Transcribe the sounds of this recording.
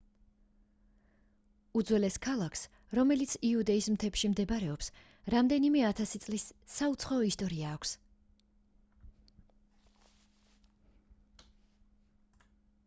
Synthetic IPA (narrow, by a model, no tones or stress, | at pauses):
ud̪zwɛlɛskʰalˠakʰs | ɾɔmɛlit̪sʰiud̪ɛismt̪ʰɛpʃimd̪ɛbɾɛɔps | ɾamd̪ɛnimɛat̪ʰasit̪sʼlisːaut̪sʰχaɔist̪ʼɔɾiaːkʷʰs